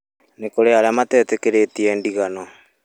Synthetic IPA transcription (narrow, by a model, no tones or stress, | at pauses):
nekoɾeaɾeamatɛtekeɾetiɛndiɣanɔ